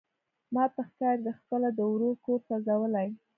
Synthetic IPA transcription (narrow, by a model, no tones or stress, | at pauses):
mɑpəxkɑɾd̪əxpəlad̪əwɾoɾkoɾsazawəlaj